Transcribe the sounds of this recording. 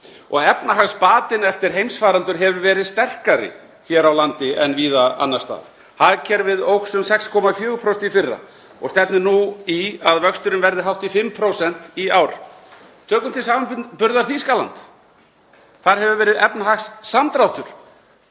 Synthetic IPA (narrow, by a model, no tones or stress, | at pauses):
ɔ̰ɣɛpnaɦaxspaːt̪ɪnɛft̪ɪɾ̥ɦejmsfaːɾalt̪ʏɾ̥ɦɛvʏvɛːɾɪðst̪ɛr̥kaɾɪ̰ | çɛɾawlant̪ɪɛnviːðaa̰nːast̪a̰ːð | haðcʰɛɾvɪðowksʏmsɛkskʰɔːmafjʏːɣʏpʰɾɔst̪ifɪrːa̰ | ɔ̰ɣst̪ɛpnɪnuiaðvœkst̪ʏɾʏnvɛɾðɪɦawht̪ifɪmːpʰɾowsɛn̥t̪iawɾ | t̪ʰœːkʏmt̪ʰɪlsaːmanpʏɾðaɾθiskalant̪ | θaɾ̥ɦɛvʏvɛːɾɪðɛpnaɦaxsːamt̪ɾawht̪ʏɾ̥